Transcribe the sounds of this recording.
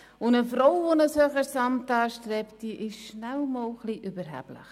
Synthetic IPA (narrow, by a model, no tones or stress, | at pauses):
ʊnəfɾowvonəsœχəɾsɑmtɑːʃtɾɛptiʔɪʃʃnælmɔːlχliʔybəɾɦæ̰b̥lɪ̰χ